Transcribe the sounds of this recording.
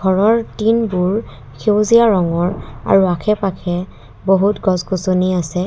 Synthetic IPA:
ɡʱɔɹɔɹtinbuɹ | kʰewzijaɹɔŋɔɹa̰ɹuakʰɛpakʰɛ | boɦutɡɔzɡosoniasɛ

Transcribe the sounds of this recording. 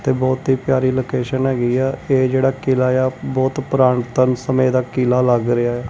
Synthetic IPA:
t̪eːbɔːt̪ɦiːpɪjaːɾiːloːkeːʃənɦɛːɡiːɛːeːd͡ʒeːɽaːkɪlaːjaːbɔːt̪pɾaːɳt̪ənsəmẽːd̪aːkɪlaːləɡɾɪaːɛː

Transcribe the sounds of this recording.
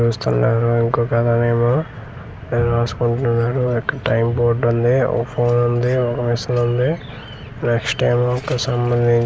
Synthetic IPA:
uːst̪unːaːɾuiŋkoːkɐd̪aneːmaː | neːnuɾaːsu̥kuɳʈunːaːɾuɔkːɐʈɐjmboːɾɖund̪iɔ̰kːɐpʰoːnɐnd̪iɔkɐʋisɐlɐnd̪i | neksʈeːmaːɔkːɐsɐmbɐnd̪ʱiɲ

